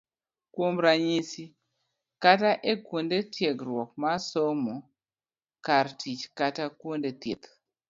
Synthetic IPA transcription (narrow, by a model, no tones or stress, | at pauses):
kwomɾaɲisi | kataʔɛkwondetjeɡɾwɔk̚masomo | kaɾtʰit͡ʃkatakwondet̪ḭt̪